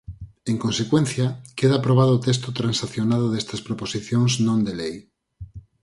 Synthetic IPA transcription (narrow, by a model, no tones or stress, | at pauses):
eŋkõnsekwẽnθjakeðapɾoβ̞aðoːt̪es̬t̪ot̪ɾansaθjonaðoðest̪ɐspɾoposiθjõŋznõnd̪elej